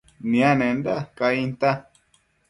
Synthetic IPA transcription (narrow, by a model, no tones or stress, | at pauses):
nĩãnẽnd̪akaĩnt̪a